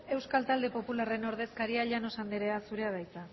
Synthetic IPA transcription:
e̞wskalt̪ald̪e̞po̞pulare̞no̞ɾð̞e̞skaɾiaʎano̞sand̪eɾe̞asuɾe̞að̞ajt͡sa

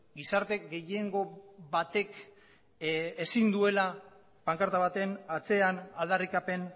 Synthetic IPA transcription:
ɡisaɾt̪e̞ɡe̞je̞ŋɡo̞βat̪e̞k | esind̪ue̞la | paŋkaɾt̪aβ̞at̪enat͡se̞anald̪arikape̞n

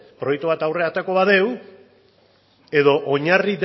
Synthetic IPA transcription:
pɾojek̚t̪uβ̞at̪awre̞at̪eko̞βaðe̞w | e̞ðo̞ʔoɲarid̪

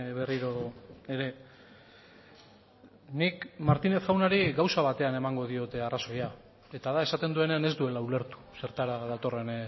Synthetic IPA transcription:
βe̞riɾo̞e̞ɾe̞ | nikmaɾt̪ine̞θɣawnaɾiɡawsaβ̞at̪e̞ane̞maŋɡo̞ð̞io̞t̪e̞araso̞ja | e̞t̪aðae̞sat̪e̞nd̪ue̞ne̞ane̞zd̪ue̞laule̞ɾt̪u̥se̞ɾt̪aɾaðat̪o̞re̞n

